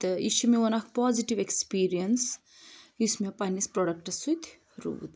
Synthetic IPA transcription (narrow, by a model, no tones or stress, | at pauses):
t̪ɨiʃumeɐnakʰpɔːziʈiʋekspiːɾijɐns | ismẽpɐnispɾoɖɐk̚ʈɐsut̪ʰ | ɾṵːd̪